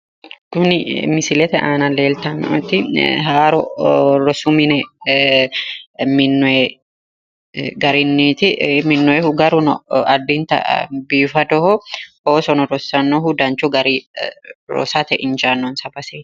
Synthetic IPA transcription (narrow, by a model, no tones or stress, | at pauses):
kʊnɪmɪsɪlɛt̪ɛʔaːnɐleːlt̪ɐm̰ɔt̪ːɪɦaːɾɔɾɔsʊmɪnɛ | mɪnːɔɛ | ɡɐɾɪnːit̪ɪmɪnːɔɛhʊɡɐɾʊnɔɐd̪ːint̪ɐ̰biːfɐd̪ɔhɔhoːsɔnɔɾɔsːɐnːɔɦʊd̪ɐnt͡ʃuɡɐɾi | ɾɔ̰sat̪ɛʔɪnd͡ʒaːnːonsɐbɐseːt̪